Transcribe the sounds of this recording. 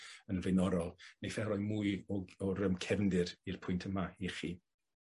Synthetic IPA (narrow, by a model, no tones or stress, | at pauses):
ənvejnɔɾɔlˠnejfɛɾɔjmuɨɔɔɾəmkʰɛvndɪɾirpʰʊjntʰəmaiχiː